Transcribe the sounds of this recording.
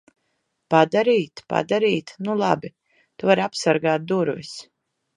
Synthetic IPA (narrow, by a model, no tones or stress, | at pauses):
pad̪aɾiːt̪pa̰d̪aɾiːt̪nulˠa̰bi | t̪uvaɾapsaɾɡaːt̪̚d̪uɾvis